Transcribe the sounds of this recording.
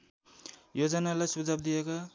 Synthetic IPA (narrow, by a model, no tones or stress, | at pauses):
jod͡zʌnalajsud͡zʱab̚d̪ijeka